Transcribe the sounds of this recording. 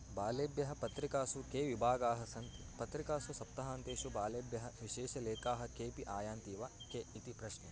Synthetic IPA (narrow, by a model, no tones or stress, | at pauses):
baːleːbjɐɦɐ̆pɐt̪ɾikaːsukeːʋibʱaːɡaːɦɐsɐnt̪ipɐt̪ɾikaːsusɐp̚t̪ɐɦaːnt̪eːʃubaːleːbjɐɦɐʋiʃeːʃɐleːkaːɦɐ̆keːpiʔaːjaːnt̪iːʋaːkeit̪ipɾɐʃne